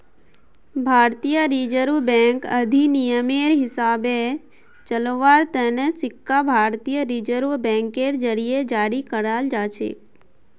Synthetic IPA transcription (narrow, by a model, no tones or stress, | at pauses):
bʱaːɾt̪ijəɾiːd͡ʒəɾʋbɛ̃ːŋkəd̪ʱinijəmeɾɦɪsaːbe | t͡ʃəlʋaːɾt̪ənesɪkːabʱaːɾt̪ijəɾiːd͡ʒəɾʋbɛ̃ːŋkeːɾd͡ʒəɾijed͡ʒaːɽikəɾaːld͡ʒaːt͡ʃʰḛːk